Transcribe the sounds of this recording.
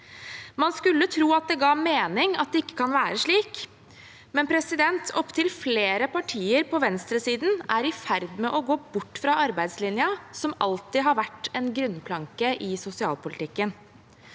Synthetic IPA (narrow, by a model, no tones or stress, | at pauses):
mɑnskʉlːət̪ʰɾuːɑt̪̚d̪ɛɡɑːmeːnɪŋɑt̪̚d̪ɛɪkːə̥kʰɑnʋæːɾəʂɭiːk | mɛnpʰɾɛsɪd̪ɛnt̪ʰɔpːt̪ʰɪlfleːɾəpɑʈʰiːəɾpʰɔʋɛnst̪ɾəsiːd̪n̩æɾɪfæɾd̪mɛʔɔɡoːbʊʈːfɾɑɑɾbæɪd̪slɪnjɑsɔmʔɑ̰lt̪ɪɦɑɾʋæʈːɛnɡɾʉnːpʰlɑŋkəʔɪsʊsɪɑ̰ːlpʊlɪt̪ʰɪkːən